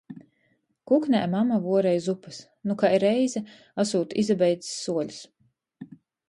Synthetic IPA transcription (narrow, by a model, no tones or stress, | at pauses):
kuknʲɛ̰ːjmamavuɔɾɛjzupas | nukaiɾɛjzɛ | asuːt̪izabɛjd̪zi̥sːuɔʎʲu̥s